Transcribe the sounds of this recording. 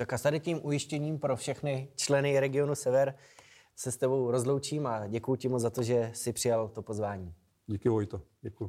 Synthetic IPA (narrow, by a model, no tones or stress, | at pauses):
t̪akast̪adɪciːmʔujɪʃcɛɲiːmpɾo̞fʃɛxnɪt͡ʃlɛnɪɾɛɡɪo̞nusɛvɛɾ | sɛst̪ɛbo̞wɾo̞zlo̞wt͡ʃiːmaɟɛkujucɪmot͡szat̪o̞ʒɛsɪpr̥ɪjalt̪o̞po̞zvaːɲiː | ɟikɪvojt̪oɟɛkuju